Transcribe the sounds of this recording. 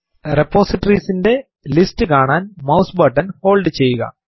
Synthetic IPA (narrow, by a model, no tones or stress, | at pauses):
repːo̞ːsiʈːɐriːsinde̞ | listːɨkaːɳaːnmɐwsbɐʈːɐnho̞ːlɖɨt͡ɕe̞jːuɣɐ̰